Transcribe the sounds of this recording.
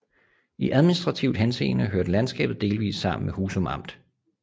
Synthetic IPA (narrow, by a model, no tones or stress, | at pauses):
iʔæð̞ˠminisd̥ʁɑ̈t͡sʰiʊ̥ɦense̝̰ːnəɦøɐd̥əlænsɡ̥ɛ̰ːb̥ð̩ˠd̥e̝ːlʋḭːsːɑ̈m̰n̩mehuːsɒ̽mɑ̈m̰d̥